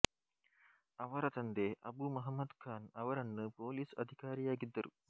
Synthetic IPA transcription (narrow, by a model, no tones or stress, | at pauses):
ɐʋɐɾɐt̪ɐnd̪eːʔɐ̰buːmɐɦɐmːɐd̪kʰaːnɐʋɐɾɐnːɨpoːliːsɐd̪ʱikaːɾijaːɡid̪ːɐɾṵ